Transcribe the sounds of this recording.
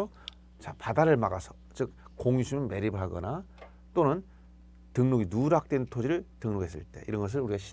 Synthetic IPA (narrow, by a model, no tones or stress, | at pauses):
o | t͡ɕapadaɾɯɭmaɡasʰʌ̥ | t͡ɕɯk̚koŋisʰumnme̞ɾibɯɭɦaɡʌ̰na | t͈onɯn | tɯŋnuɡinuɾak̚t͈we̞ntʰod͡ʑiɾɯɭtɯŋnuɡɦe̞s͈ɯ̰ɭt͈e̞̰ʔiɾʌnɡʌs̬ʰɯɭuɾiɡaɕʰi̥